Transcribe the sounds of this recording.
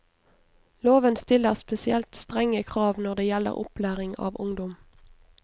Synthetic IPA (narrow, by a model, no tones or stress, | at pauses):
loːʋənst̪ɪləʁspɛsɪɛlt̪st̪ʁɛŋəkʰʁɑːʋnɔʁd̪eːjɛlə̰ʁʔʊ̰plæːʁɪŋɑ̰ːʋʊŋd̪ɔm